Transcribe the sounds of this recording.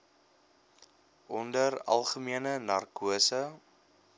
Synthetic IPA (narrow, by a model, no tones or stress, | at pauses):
ʔɔndərɐ̰lˠχəmiənənɐrkuəsə